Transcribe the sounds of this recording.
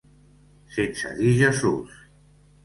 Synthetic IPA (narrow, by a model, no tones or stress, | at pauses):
sensa̰ðiʒasṵs